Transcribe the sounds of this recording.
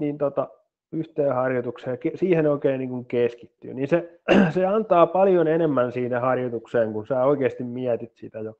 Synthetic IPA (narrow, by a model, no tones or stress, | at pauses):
niːnt̪ot̪ɑ | yht̪eːhɑrjot̪ukseːkesiːhenoikeːnniːŋkuŋkeski̥t̪ːy̰ːninseseɑnt̪ɑːpɑljonenemːænsiːnehɑrjot̪ukseːŋkunsæːoikeːst̪immiæt̪it̪sit̪æjo